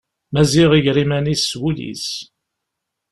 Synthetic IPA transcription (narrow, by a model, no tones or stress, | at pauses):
mæziʁiʝɾimænisːwulḭs